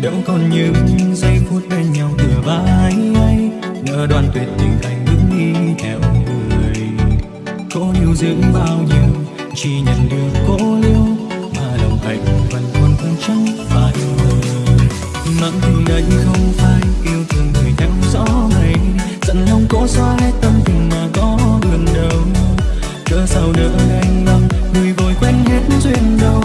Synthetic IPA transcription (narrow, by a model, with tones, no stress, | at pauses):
ɗɨ̰˧˥ŋ͡mkɔ˨˩nɲɨ˧ɲɨ˧ŋzə˧jku˦˥ət̚hɛ˧nɲa˧wtɨ˨˩əɓaː˧˩a˨ʔa˧j | ŋəː˨˩ɗwaː˧˩nt̪wi˨˩ət̚t̪ɨ˨˩ŋʔa˨˩jŋ̟ɲɨ̰˧˥ŋʔi˧t̪ʰɛ˧˩wɲɨ˧wləː˨˩əj | kɔ˨˦ɲi˨˩əwzɨ̰˧˥əŋɓaː˧wɲi˧w | t͡ɕi˧ɲə̰˧˨nɗɨ˨˧˩əko˧˥li˧əw | maː˨˩ɗə˨˩wŋ͡mhaː˨˩jku˨˩və˨˩nk̪wə˧nkə˧nt͡ɕa˧˥ŋvaː˨˩ɗi˧wz | mə̰˧˨˥nt̪i˧˩ʔə̟˨˦xə˧wŋ͡mfaː˧˦jki˧əwt̪ʰɨ˨˩ŋŋɨː˨˩jna˧˦˧ŋ͡mzɔ̰˧˦na˨˩j | zə̰˧˨˥nlə˧wŋ͡mkɔ˧˥swaː˧t̪ə˧ŋ͡mti˨˩ŋmaː˨˩kɔ˧˦lə˨˩nɗə˨˩w | kə̰ː˧˥sa˧˩wnɨ̰ː˧˥ʔa˧jŋ̟la˧ŋ | ŋɨ˨˩əjvo˨˩jkwɛ˧nhe˨˦˥t̚nzwi˧ənɗə˧w